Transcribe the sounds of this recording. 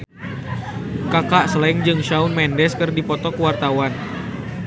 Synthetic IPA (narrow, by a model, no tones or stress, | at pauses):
kakaʔsəlaɪŋd͡ʒɨŋʃaunmɛndɛskɨrdipɔt̪ɔkəwart̪awan